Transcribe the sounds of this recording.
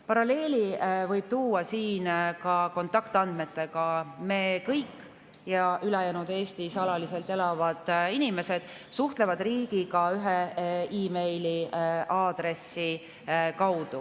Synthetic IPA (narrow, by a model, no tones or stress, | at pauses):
pɑɾɑle̞ːlʲivɤjb̥̚t̪uːɑsiːnkɑko̞nt̪ɑkt̪ɑnd̪̥me̞t̪ːe̞ɡ̥ɑme̞kɤjkːˑ | jɑʔylɛjæːnud̪̥e̞ːst̪isɑlɑlise̞lt̪ˑelɑvɑd̪̥inime̞se̞d̪̥ | suht̪le̞vɑd̪riːɡ̥ikɑyɦeiːme̞jliʔɑːd̪̥ɾe̞sːi | kɑwd̪̥u